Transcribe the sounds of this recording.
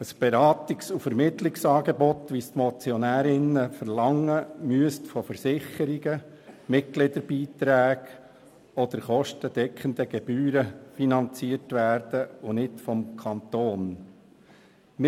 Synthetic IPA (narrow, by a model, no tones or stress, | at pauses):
əsb̥ɛɾɑːt̪ɪksufəɾmɪt̪lɪksɑːɡebɔt̪ʋist̪mɔt͡sjɔnæːɾɪnəfəɾlɑŋəmyəstfɔfəɾsɪχəɾiɡə | mɪt̚ɡ̥lɪd̪əɾbiːt̪ɾæːɡ | ɔd̪əɾχɔʃtəd̥̪ɛkʰənd̪əɡ̥ɛb̥yːɾəfinɑnt͡siəɾtʋæːɾd̥əʊnɪtfɔmkʰɑnt̪oːn | mɪ